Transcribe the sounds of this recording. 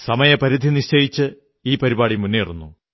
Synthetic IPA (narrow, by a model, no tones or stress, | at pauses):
sɐmɐjɐpɐɾid̪ʱiniɕt͡ɕɐjit͡ɕːɨ | iːpɐɾibaːɽimunːejirunːu